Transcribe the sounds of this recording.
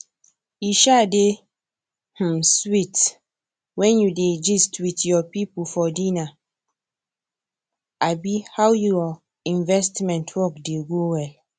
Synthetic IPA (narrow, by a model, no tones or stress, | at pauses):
iʃade | h̩swit | wɛ̃njuded͡ʒistwitjɔpipufɔdina | abihawju | ĩnvɛstmɛ̃ntʰwɔkdeɡowɛl